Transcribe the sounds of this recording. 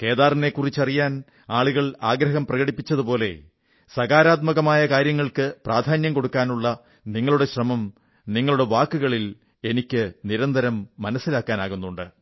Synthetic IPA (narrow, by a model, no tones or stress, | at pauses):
ke̞ːðaːrine̞kːurit͡ɕːɐrijaːn | aːɭuɣɐɭaːɡɾɐɦɐmprɐɣɐɽipːit͡ɕːɐðupo̞ːle̞̰ | sɐɣaːɾaːt̪̚mɐɣɐmaːjɐkaːɾjɐŋːɐɭkɨpraːd̪ʱaːnjɐmko̞ɽukːaːnuɭːɐ | niŋːɐɭuɽe̞ɕrɐmɐm | niŋːɐɭuɽe̞ʋaːkːuɣɐɭil | e̞nikʲːɨniɾɐnd̪ʱɐɾɐmːɐnɐsːilaːkːaːnaːɣunːuɳɖɨ